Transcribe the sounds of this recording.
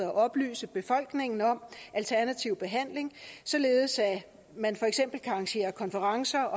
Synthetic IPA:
æʔɒ̽b̥ly̰ːsəb̥e̝fɒ̽l̰ɡ̥ne̝ŋn̩ɒ̽mʔælt͡sʰæɐnæt͡sʰiʊb̥e̝ɦæn̰le̝ŋsɒ̽le̝ːð̞̩ˠsæ | mænfɒ̽eɡ̥sem̰b̥l̩ɡ̥ɑ̈ɑ̈ŋɕe̝̰ːɐkʰɒ̽nfəʁɑ̈ŋsɐɒ̽

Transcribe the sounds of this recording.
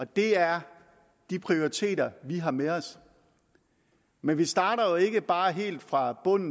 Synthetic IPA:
ɒ̽d̥e̝æɐ | d̥ipʰʁio̝ʁit͡sʰe̝̰ːɾɐʋiɦɑ̈meɒ̽s | menʋisd̥ɑ̈ːɾɐjoe̝ɡ̥əb̥ɑ̈ːɦe̝̰ːld̥fʁɑ̈b̥ɔ̽n̰n̩

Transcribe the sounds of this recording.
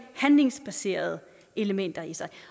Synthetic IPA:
hænle̝ŋsb̥æse̝̰ɐð̞̩ˠ | e̝ləmen̰d̥ɐisɑ̈ɪ

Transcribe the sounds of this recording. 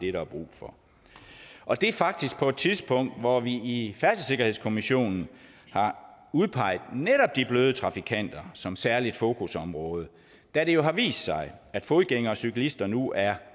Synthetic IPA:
d̥e̝ɾɑb̥ʁṵːfɒ̽ | ʔɒ̽d̥e̝fɑ̈ɡ̥̚d̥isɡ̥̚pʰɒ̽e̝d̥̚t͡sʰiðˠsb̥ʰɔ̽ŋ̰d̥ʋɒʋiːfæɐsəse̝ɡ̥ɐhe̝ð̞̰ˠskʰo̝miɕo̝̰ːnn̩ | hɑ̈uð̞ˠpʰɑ̈ɪ̰ð̩ˠneɾ̥ɒ̽b̥̚d̥ib̥løːð̞ˠət͡sʰʁɑ̈fikʰæn̰d̥ɐsɒ̽msæɐlid̥fo̝ːkʰusɒ̽mʁɔ̽ːð̞ˠə | d̥æɾe̝jo̝ɦɑ̈ʋḭːsd̥sɑ̈ɪæd̥fo̝ðˠɡ̥eŋɐɒ̽sykʰælisd̥ɐnuʔæɐ

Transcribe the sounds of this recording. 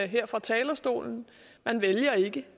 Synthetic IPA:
ɦeɐ̰fʁɑ̈t͡sʰɛːlɐsd̥o̝̰ːln̩ | mænʋeljɐe̝ɡ̥ə

